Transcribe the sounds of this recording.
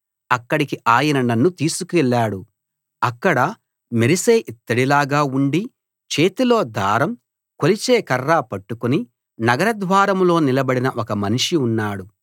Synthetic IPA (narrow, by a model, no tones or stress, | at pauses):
ɐkːɐɽikiʔaːjɐnɐnɐnːut̪iːsukuɛɭːaːɽu | ɐkːɐɽɐ | meɾiseːʔit̪ːɐɽilaːɡaːuɳɖi | t͡ʃe̞ːt̪ilo̞ːd̪ʱaːɾɐm | kolit͡ʃeːkɐrːaːpɐʈːukuni | nɐɡɐɾɐd̪ʋaːɾɐmlo̞ːnilɐbɐɽinɐʔɔkɐmɐniʂiunːaːɽu